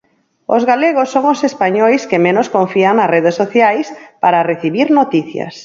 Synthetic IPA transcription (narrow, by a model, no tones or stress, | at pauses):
o̰zɣaleɣosːoŋosespaɲojskemẽnoskõɱfiaŋnareðesːoθjajspaɾareθiβiɾnot̪iθja̰s